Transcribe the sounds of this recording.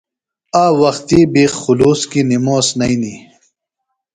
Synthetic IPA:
aːwɐxt̪ibixuluːskinimoːsnɐini

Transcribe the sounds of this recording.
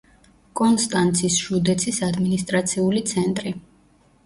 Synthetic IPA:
kʼɔnst̪ʼant̪sʰisʃud̪ɛt̪sʰisad̪minist̪ʼɾat̪sʰiulit̪sʰɛnt̪ʼɾi

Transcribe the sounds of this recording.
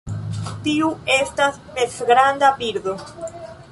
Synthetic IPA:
tiue̞stas | mesɡɾandapiɾdo̞

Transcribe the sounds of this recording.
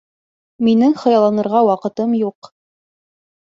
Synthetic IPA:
minɘŋχɤ̆jɑlˠɑnɤ̆ɾʁɑwɑqɤ̆t̪ɤmjuq

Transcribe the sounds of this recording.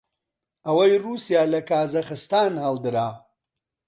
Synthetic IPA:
ɐwɐjruːsijaːlɐkaːzɐxɨst̪aːnhaːld̪ɨɾaː

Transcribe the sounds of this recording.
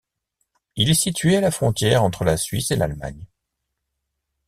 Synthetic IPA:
ilɛsit̪ɥealafχɔ̃t̪jɛʁɑ̃t̪χəlasɥisela̰lma̰ɲ

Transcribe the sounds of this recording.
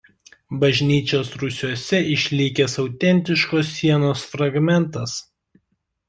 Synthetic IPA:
bɐʒʲnʲiːt͡ʃʲoːsɾʊsʲuɔsʲɛɪʃʲlʲɪkʲɛsɒʊt̪ʲɛnʲt̪ʲɪʃkoːs̬ːʲiɛnoːsfɾɐɡmʲɛnt̪ɐs

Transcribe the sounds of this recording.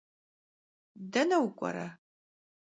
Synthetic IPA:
dɐnɐwkʷʼɐ̰ɾɐ

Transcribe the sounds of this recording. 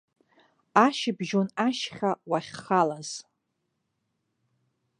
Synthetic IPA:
aʃɪbʒonaʃχʲawaχʲχalaz̥

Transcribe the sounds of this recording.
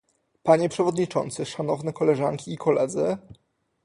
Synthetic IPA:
paɲɛpʂɛvɔd̪ɲit͡ʂɔ̰nt̪sɘʂanɔvnɛkɔlɛʐa̰ŋkʲiːkʰɔlɛd̪zɘ

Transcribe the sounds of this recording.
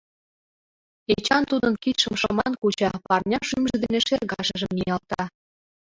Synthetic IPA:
et͡ɕɑnt̪ud̪ənkit̪ʃəmʃɤmɑnkut͡ɕɑpɑrnʲɑʃymʒə̆d̪eneʃerɣɑʃə̆ʒə̆mnijɑlt̪ɑ

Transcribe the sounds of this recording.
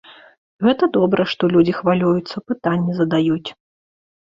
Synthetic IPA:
ɣɛt̪ɐd̪ɔbɾɐʂt̪ɔlʲud͡zʲixvalʲujut̪sːɐpɨt̪anʲːɛzɐd̪ajut͡sʲ

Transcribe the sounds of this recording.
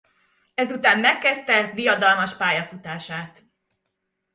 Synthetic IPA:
ɛzut̪aːmmɛkːɛst̪ɛd̪ijɒd̪ɒlmɒʃpaːjɒfut̪aːʃaːt̪

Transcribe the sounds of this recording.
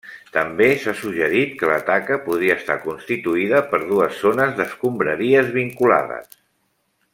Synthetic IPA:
t̪əmbesasuʒəɾit̪̚kələ̰t̪akəpuðɾiəːst̪a̰kunst̪it̪uiðəpəɾð̞uəsːonəzðəskumbɾəɾiəzβiŋkula̰ðə̰s

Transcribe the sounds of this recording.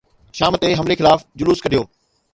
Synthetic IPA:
ʃaːmət̪eɦɐmlexɪlaːfd͡ʑʊluːskɐɗijoː

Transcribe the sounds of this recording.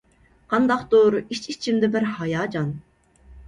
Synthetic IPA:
qʰɑnd̪ɑqt̪oɾit͡ʃit͡ʃʰimd̪ɛbɪɾhɑjɑːd͡ʒɑn

